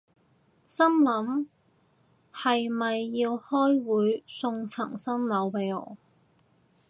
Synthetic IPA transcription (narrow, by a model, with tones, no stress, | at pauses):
sɐ˥mlɐ˨˥m | hɐ˨jmɐ˨jːiː˧whɔː˥jwuː˨˥jsʊ˧ŋt͡sʰɐ̰˨˩ŋsɐ˥nlɐ˨˥wpe˨˥jɔ̰ː˨˥